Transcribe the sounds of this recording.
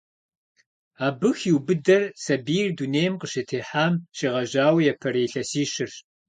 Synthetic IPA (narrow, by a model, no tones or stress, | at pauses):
aːbɨxiwbɨdɐrsɐbiːrduːneːjmqəɕɪtʰeːħaːmʃiʁɐʒaːwjɛpʰɐɾeːɬɐsiːɕɪr